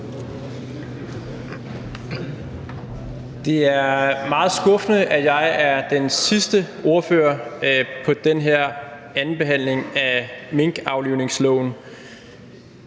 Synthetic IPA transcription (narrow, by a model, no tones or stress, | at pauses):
d̥e̝æɐmɑ̈ːð̞̩ˠsɡ̥ɔ̽fnəʔæjɑ̈ɪæɐd̥ensisd̥ə | o̝ɐføɐpʰɒ̽d̥enɦeɐ̰æn̩b̥e̝ɦæn̰le̝ŋæme̝ŋɡ̥ɑ̈ʊliʊne̝ŋslɔ̰ʊ̰n̩